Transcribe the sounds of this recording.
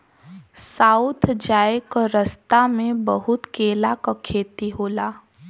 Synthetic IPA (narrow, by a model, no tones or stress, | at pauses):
saːʊt̪ʰd͡ʒaːekəɾəst̪amẽbəɦʊt̪keːlakakʰeːt̪iɦoːlaː